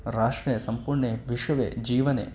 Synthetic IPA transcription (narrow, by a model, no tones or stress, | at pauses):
ɾaːʂʈɾɐjɐsɐmpuɾɳeʋiʂɐʋḛːd͡ʒiːʋɐnḛː